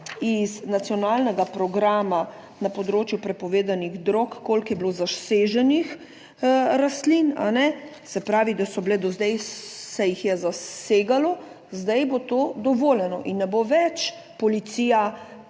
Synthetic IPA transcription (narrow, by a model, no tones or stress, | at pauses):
iznat̪sijɔnaːlnɛɡapɾɔɡɾaːma | napɔd̪ɾoːt͡ʃjupɾɛpɔʋeːd̪aniɣd̪ɾokːolkjɛblozaseːʒɛnix | ɾast̪lina̰nɛ | sɛpɾaːʋid̪asɔbled̪ɔzd̪ɛjsɛjixjɛzaseːɡalɔ | zd̪ajbot̪oːd̪ɔʋoːlɛnɔʔinːɛboʋɛt͡ʃ | pɔlit̪siːja